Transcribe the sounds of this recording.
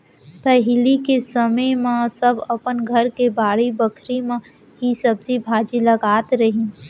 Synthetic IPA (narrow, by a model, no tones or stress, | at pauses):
pɛɦlikesəməjmãsɐbɐpənɡʱɐɾkebaːɽibəkʰɾimẽ | ɦisɐbzibʱaːd͡ʒilɐɡaːt̪ɾəɦĩ